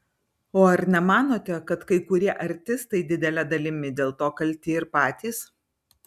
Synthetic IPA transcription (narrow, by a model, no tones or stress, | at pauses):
oːɐɾnʲɛmɑːnoːt̪ʲɛkɐt̪kɐɪkʊɾʲiɛʔɐɾʲt̪ʲɪst̪ɐɪd̪ʲɪd̪ʲɛlʲɛd̪ɐlʲɪmʲɪd̪ʲeːlˠt̪oːkɐlʲt̪ʲɪːɪɾpɑːt̪ʲiːs